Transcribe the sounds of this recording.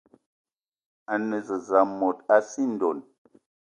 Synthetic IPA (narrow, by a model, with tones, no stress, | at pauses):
a˨nə˨zə˨za˨˦mɔ˨ta˦si˦n̩˨dɔ˨n